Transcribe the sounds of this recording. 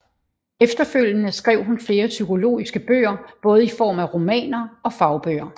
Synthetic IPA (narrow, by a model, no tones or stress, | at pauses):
efd̥ɐføl̰jənəsɡ̥ʁɛʊ̰ɦunfle̝ːɐsykʰo̝lo̝̰ːisɡ̥əb̥ø̰ːɐb̥ɔ̽ːð̞̩ˠifɒ̰ːmæʁo̝mɛ̰ːnɐɒ̽fɑ̈ʊb̥ø̰ːɐ